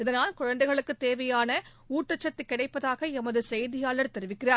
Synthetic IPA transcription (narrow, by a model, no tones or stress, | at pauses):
ɪðɐnaːlkʊɻɐnd̪ɐɪɣɐɭɯkːɯt̪eːʋɐjaːnɐ | uːʈːɐt͡ʃːɐt̪ːikːɪɽɐɪpːɐðaːɣɐɛmɐðɯsɛjðɪjaːlɐɾt̪ɛɾɯʋɪkːɪraːɾ